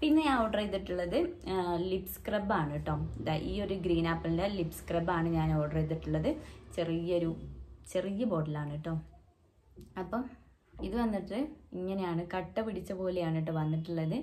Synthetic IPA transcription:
pinːeɐwʈɐrejt̪ːiʈːuɭːɐðɨlipskrɐbaːɳiʈːoːmiðaʔiːo̞ɾuɡɾiːnaːpːɐlndelipskrɐbaːɳɨɲaːnɐwʈɐrejt̪̬ːiʈːuɭːɐðɨt͡ɕe̞rijːɐo̞ɾut͡ɕe̞rijɐbo̞ːɖilaːɳːiʈːoːm | ɐpːom | iðɨʋɐnːiʈːɨiŋːɐnejaːɳɨkɐʈːɐpiɽit͡ɕːɐbo̞ːlejaːɳiʈ̬ːɨʋɐnːiʈːuɭːɐðɨ

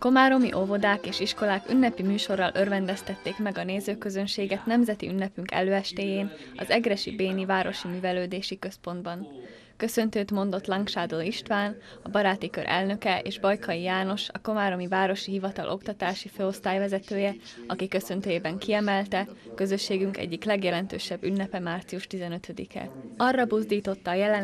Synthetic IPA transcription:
ko̞maːɾo̞miʔo̞vo̞d̪aːkeːʃiʃko̞laːky̰nːɛpimyːʃo̞rːɒlʔørvɛnd̪ɛst̪ɛt̪ːeːkmɛɡɒneːzøːkøzø̞nʃeːɡɛt̪nɛmzɛt̪ḭynːɛpyŋkɛ̰løːɛʃt̪eːjeːn | ɒ̰zɛɡɾɛʃḭbeːnivaːɾo̞ʃimyːvɛløːd̪eːʃikø̞spo̞nd̪bɒn | kø̞sø̞nt̪øːt̪mo̞nd̪o̞t̪lɒŋkʃaːd̪oːiʃt̪ʋaːnɒbɒɾaːt̪ikø̰ɾʔɛ̰lnø̞kɛʔḛːʒbɒjkʰɒjijaːno̞ʃɒ̰ko̞maːɾo̞mivaːɾo̞ʃiɦivɒt̪ɒ̰lʔo̞kt̪ɒt̪aːʃiføːo̞st̪aːjvɛzɛt̪øːjɛɒkikø̞sø̞nt̪øːjeːbɛŋkiɛmɛlt̪ɛkø̞zø̞ʃːeːɡyŋkɛ̰ɟːiklɛɡjɛlɛnt̪ø̰ːʃɛbːynːɛpɛmaːrt̪siuʃt̪izɛnø̞t̪ød̪ḭkɛ̰ɒrːɒbuzd̪iːt̪o̞t̪ːɒːjɛlɛ

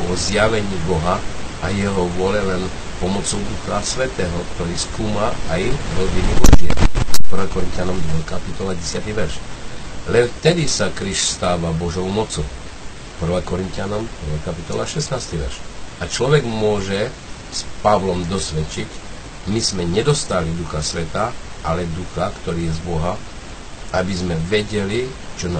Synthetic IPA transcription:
ɔzjaʋɛɲiːbɔɦaʔajɛɦɔʋʊɔlɛlɛn | pɔmɔt͡sɔʊd̪uxɾasʋɛt̪ɛːɦɔkt̪ɔɾiːskuːmaajɾɔvinibɔd͡ʒɪɛ̰pr̩ʋaːkɔɾint̪janɔmd̪ɔkapit̪ɔlaɟɛsɪat̪iʋɛɾʃlɛnft̪ɛd̪isakɾiʃst̪aːʋabɔʒɔʊmɔt͡sɔʊ | pr̩ʋakɔɾint̪ɪanɔmpr̩ʋajkapit̪ɔlaʃɛsnaːst̪iʋɛ̰ɾʃakt͡ʃlɔʋɛɡmʊɔʒɛ | spaʋlɔmd̪ɔsʋɛt͡ʃic | mizmɛɲɛd̪ɔst̪alid̪uxasʋɛt̪aːʔalɛd̪uxakt̪ɔɾiːjɛzbɔɦa | abizmɛʋɛɟɛli | t͡ʃɔna

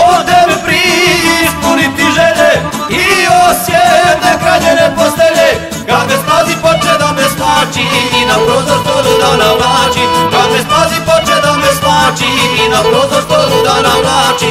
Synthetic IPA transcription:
od̪empɾispunit̪iʒeʎe | iosjet̪ekɾaʎeneposleʎe | kamesazipot͡ʃed̪ameslaːt͡ʃiːnapɾozoʃt̪olud̪anamlaːt͡ʃikamest̪azipot͡ʃed̪amɛsmaːt͡ʃiːnapɾozoʃt̪olud̪anamlaːt͡ʃi

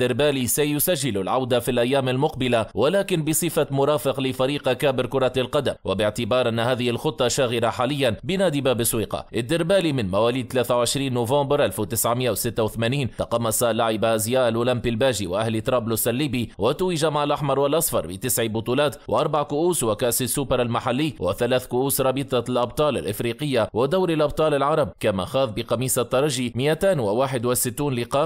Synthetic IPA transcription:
d̪ɪɾbaːliːsajʊsaʒːɪlalʕawd̪afilʔajːaːmalmʊqbɪlawalaːkɪnbɪsˤɨfamʊɾˤɑːfɪqlɪfaɾiːqkaːbɪɾkʊɾˤɑlqɑd̪amwabɪʕt̪ɪbɑːɾˤʔanːahaːðɪhɪlxʊt̪ˤːɑʃaːɣɪɾaħaːlɪjːanbɪnaːd̪ɪbaːbɪsˤwiːqɑ̰ʔɪd̪ːɪɾbaːliːmɪnmawaːliːd̪̚t̪alaːθawʕɪʃɾiːnːoːvɑ̃ːmbɾʔalft̪ɪsʕmɪʔawɪsɪt̪ːawɪθamaːniːnt̪ɑqɑmːɑsalaʕɪbaʔazjaːʔalʔuːlampilbaːʒiwɪʔahlt̪ɾˤɑːblʊsʔalːiːbiwat̪uːɪʒamaʕalʔɑħmɑɾˤwalʔɑsˤfɑɾˤbɪt̪ɪsʕibʊt̪ˤuːlɑːt̪wɪʔɑɾˤbaʕkʊʔuːswakaʔsasːuːbɑɾˤalmaħalːɪːwʔɪ̰θalaːθkʊʔuːsɾˤɑbɨt̪ˤɑlʔɑb̚t̪ˤɑːla̰lʔɪfɾiːqɪjːawɪd̪awɾalʔɑb̚t̪ˤɑːlalʕɑɾˤɑb̚kama̰xɑːðˤbɪqɑmiːsat̪ˤːɑɾˤɑʒimɪʔat̪aːnwɪwaːħɪd̪wɪsɪt̪ːuːnlɪqɑːʔ

